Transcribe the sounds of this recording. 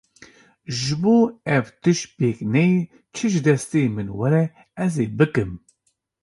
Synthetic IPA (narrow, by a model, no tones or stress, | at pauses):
ʒɨboːɛvt̪ɨʃpeːknɛji | t͡ʃʰɨʒɨd̪ɛst̪eːmɨnwɛɾɛ | ɛzeːbɨkɨm